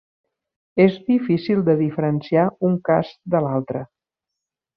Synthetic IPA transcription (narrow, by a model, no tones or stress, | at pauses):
ezðifisilˠd̪əðifəɾənsiauŋkazd̪əlalˠt̪ɾə